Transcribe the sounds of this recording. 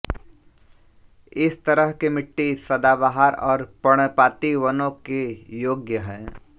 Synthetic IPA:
ɪst̪ɐɾəɦkemɪʈːisɐd̪abaɦaɾɔːɾpɐɽ̃paːt̪iʋənõkejoːɡjəɦɛ̃ː

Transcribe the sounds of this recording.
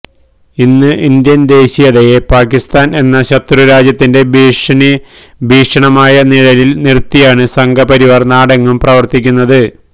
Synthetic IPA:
inːɨʔind̪jɐnd̪e̞ːɕijɐðejepaːkist̪aːne̞nːɐɕɐt̪ruɾaːd͡ʑjɐt̪ːinde̞bibʱiːʂɐɳɐmaːjɐniɻɐlilnirt̪ːijaːɳɨsɐŋɡɐpɐɾiʋɐrnaːɽɐŋːumprɐʋɐrt̪ikʲːunːɐðɨ

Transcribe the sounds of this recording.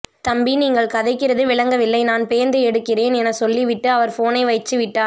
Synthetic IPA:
t̪ɐmbiniːŋɡɐɭkɐðɐɪkːɪɾɐðɯʋɪɭɐŋɡɐʋɪlːɐɪnaːnpeːnd̪ɯɛɽɯkːɪreːnɛnɐsɔlːiʋɪʈːɯɐʋɐɾfoːnɐɪʋɐɪt͡ʃːɯʋɪʈːaː

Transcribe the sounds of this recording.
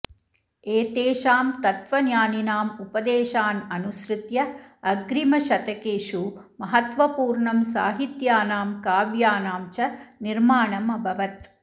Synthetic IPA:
eːt̪eːʃaːmt̪ɐt̪ʋɐnjaːninaːmupɐd̪eːʃaːnɐnusɾɪt̪jɐɐɡɾimɐʃɐt̪ɐkeːʂu | mɐɦɐt̪ʋɐpuːɾɳɐmsa̰ːɦit̪jaːnaːmkaːʋjaːnaːmt͡ʃɐniɾmaːɳɐmɐbʱɐʋɐt̪

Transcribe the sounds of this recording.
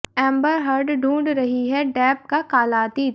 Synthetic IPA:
ɛ̃ːmbəɾɦɐɾɖɖũːɳɖɾɐɦiɦɛɖɛːp̚kakaːlaːt̪i

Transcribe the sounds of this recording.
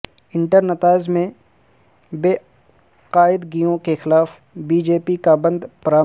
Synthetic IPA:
ɪ̃ɳʈəɾnɐt̪aːɪd͡ʒmẽ | beː | qaːɪd̪ɡijõkexɪlaːf | biːd͡ʒeːpikabɐ̃nd̪pɾaː

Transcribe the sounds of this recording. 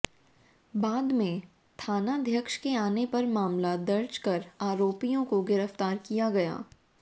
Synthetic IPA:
baːd̪mẽ | t̪ʰaːnad̪ʱjəkʃkeaːnepɐɾmaːmlad̪ɐɾd͡ʒkɐɾaːɾoːpijõkoɡɪɾəft̪aːɾkijaɡɐja̰ː

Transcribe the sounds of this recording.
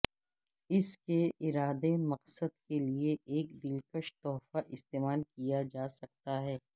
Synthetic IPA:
ɪskeʔɪɾaːd̪emɐqsəd̪kelieʔeːkd̪ɪlkəʃt̪ɔːfaʔɪst̪eːmaːlkijad͡ʒaːsɐk̚t̪aɦɛː

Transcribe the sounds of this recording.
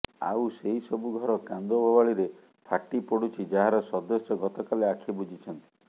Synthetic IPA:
a̰useɦisɔbuɡʱɔɾɔkand̪obʱɔbaɭiɾe | pʰaʈipɔɽut͡ʃʰid͡ʒaɦaɾɔsɔd̪ɔsjɔɡɔt̪ɔkaleakʰibud͡ʒʱit͡ʃʰɔnt̪i̥

